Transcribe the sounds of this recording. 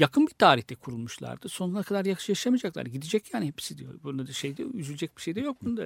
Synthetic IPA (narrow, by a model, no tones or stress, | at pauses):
jakʰɯnbit̪ʰaːɾiht̪ʰɛkʰuɾulˠmuʃlˠa̰ɾd̪ɯso̞nˠaɾakʰad̪aɾjakʰɯ̥ʃjaʃʃamiad͡ʒaklˠa̰ɾd̪ɟid̪id͡ʒɛcjaːnihepsid̪ijo̰bud̪ad̪ɯʃejd̪ɛ̰yzylʲd͡ʒɛc̚bi̥ʃejd̪ɛjo̞k̚bʰunud̪a̰